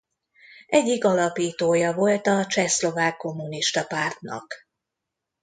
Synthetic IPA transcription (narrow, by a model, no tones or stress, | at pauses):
ʔɛɟːikɒlɒpiːt̪oːjɒvo̞lt̪ɒt͡ʃɛslo̞vaːkːo̞mːuniʃt̪ɒpaːrt̪nɒ̰k